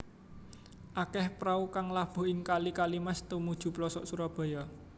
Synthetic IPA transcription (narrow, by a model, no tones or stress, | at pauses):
ʔakɛhpɾaukaŋlab̥ṳɪŋkalikalimast̪umud̥ʒ̥ṳplɔsɔʔsuɾɔb̥ɔ̤jɔ